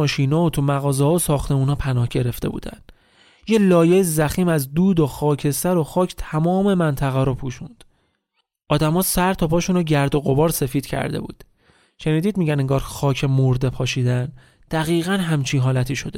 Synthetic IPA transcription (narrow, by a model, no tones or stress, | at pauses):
ɒːʃiːnɒːot̪ʰumæɣɒːzɛhɒosɒːxt̪e̞muːnhɒːpʰænɒːhɟe̞ɾe̞ft̪e̞bṵːd̪æ̰n | jelɒːjejizæxiːmæzd̪uːd̪oxɒːcʰesæɾoxɒːcʰt̪ʰæmɒːme̞mænt̪ʰæɣæːɾopʰuːʃund̪̥ | ʔɒːd̪æmɒːsæɾt̪ʰɒːpʰɒːʃunoɟæɾd̪o̞ɣo̞bɒːɾse̞fiːd̪̥cʰæ̰ɾd̪e̞̰bṵːd̪̥ | ʃe̞niːd̪iːd̪̚miːɟæneŋɡɒːɾxɒːcʰemoɾd̪e̞pʰɒːʃiːd̪æn | d̪̥æɣiːɣænɦæmt͡ʃʰiːnɦɒːlæt̪ʰiːʃo̞d̪e